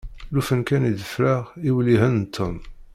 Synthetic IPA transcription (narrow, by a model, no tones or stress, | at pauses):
lufənkænid̪əfɾəʁiwliɦənt̪ʰːəm